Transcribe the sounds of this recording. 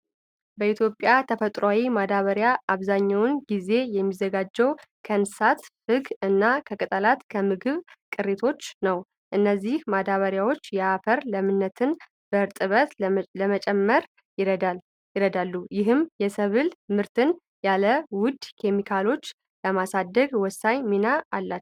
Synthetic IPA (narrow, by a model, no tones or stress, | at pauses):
bəit̪ʰjo̞pʼjat̪ʰəfət̪ʼɾoawimad̪aβəɾjaʔaβzaɲːawʊnɡize̞jɛmːizəɡad͡ʒːɛwkʰənsat̪fɨɡɨnːakʰəkʼɨt̪ʼəlat̪kʰəmɨɡɨβkʼɨret̪ʰo̞t͡ʃːnəw | ʔɨnːəzːihmad̪aβəɾjawo̞t͡ʃːjɛafəɾləmɨnːət̪ʰɨn | b̥əɨɾt̪ʼɨβət̪ləmət͡ʃʼɛmːəɾ | ɪa | ɪɾəd̪alːujɪɦɨmjɛsəβɨlmɨɾt̪ʰɨn | jaləwʊd̪kʰe̞mikʰalo̞t͡ʃː | ləmasad̪ːəɡwɔsːaɲminaːlːat̪ː